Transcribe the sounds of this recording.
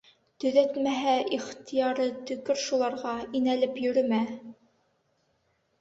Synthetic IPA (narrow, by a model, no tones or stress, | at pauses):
t̪ɵ̆ðæt̪mæɦæʔiχt̪ʰijɑɾɤt̪ɵ̆kɵɾʃulˠɑɾʁɑinælɘpjɵ̆ɾɵmæ